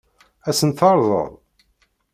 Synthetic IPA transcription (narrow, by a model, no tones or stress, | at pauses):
æsənθɑɾˤðˤə̰ðˤ